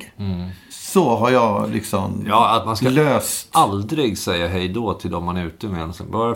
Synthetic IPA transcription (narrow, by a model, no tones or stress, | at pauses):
sɔɦaɾjɑlɪ̰ksɔmjɑat̪manskkaløːst̪ald̪ɾɪɡsɛjːaɦɛjd̪ɔːt̪ʰɪld̪ɔmːanæɾʉ̟ːt̪əmɛɛnsɛ̰nbɑɾa